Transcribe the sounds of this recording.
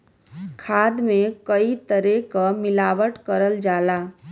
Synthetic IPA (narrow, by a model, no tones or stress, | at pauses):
kʰaːd̪mẽkəit̪əɾekamɪlaːʋəʈkəɾəld͡ʒaːlaː